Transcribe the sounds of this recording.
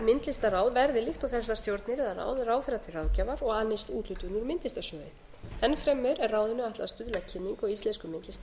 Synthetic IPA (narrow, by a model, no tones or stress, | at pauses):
mɪnt̪lɪst̪araːwðvɛɾðɪlɪxht̪ɔɣθɛsːast̪jowɾt̪nɪɾɛðara̰ːwðraːwθɛɾat̪ʰɪlrawðcavaɾɔɣaːnːɪst̪uːt̪lʏt̪ʏnːʏɾmɪnt̪lɪst̪asœːðɪ | ɛnːfɾɛmːʏɾɛraːwðɪnʏaht̪laast̪ʏðʏlacʰɪnːiŋkɔɣist̪ɛnskʏmɪnt̪lɪst̪a